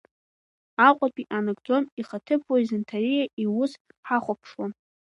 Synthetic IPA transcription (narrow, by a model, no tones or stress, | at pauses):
aqʷʼapʼiʔanɨɡd͡zo̞miχatʰɨpʰwaizɨntʰarijaʔiwʊs | ħaχʷapʰʂwan